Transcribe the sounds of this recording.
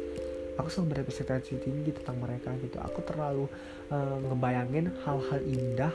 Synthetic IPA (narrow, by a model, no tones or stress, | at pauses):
akusəlabəɾapəsɛk̚t̪ad͡ʒut̪iɲɡit̪u̥t̪aŋməɾekaɡit̪ṵa̰kut̪ərlalu | əŋəmbajaŋɪnhalhalinda